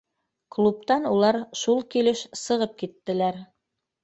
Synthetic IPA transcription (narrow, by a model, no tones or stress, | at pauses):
klˠup̚t̪ɑnulˠɑɾʃulˠkilɘʃsɤ̆ʁɤp̚kit̪ːɘ̆læɾ